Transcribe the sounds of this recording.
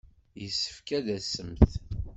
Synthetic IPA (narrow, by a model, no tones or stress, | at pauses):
jəsːə̥fkæðæsːəmθ